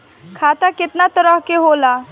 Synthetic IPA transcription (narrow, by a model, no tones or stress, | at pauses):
kʰaːt̪akɪt̪nat̪əɾəɦkeɦoːlaː